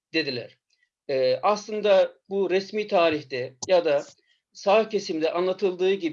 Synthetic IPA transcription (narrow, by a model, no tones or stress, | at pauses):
d̪̥e̞d̪ilʲæ̰ɾ̥ | ɛːaslˠɯnd̪abuɾesmiːt̪ʰaːɾiçd̪ɛjad̪a | saːɯcʰe̞simd̪ɛʔanlˠat̪ʰɯlˠd̪ɯːɟib